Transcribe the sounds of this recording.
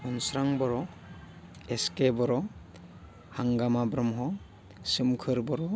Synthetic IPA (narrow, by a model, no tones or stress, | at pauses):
ɔnsɾaŋbɔɾɔ | eskebɔɾɔ | haŋɡamabɾɔmɦɔ | sɯmkʰɯɾbɔɾɔ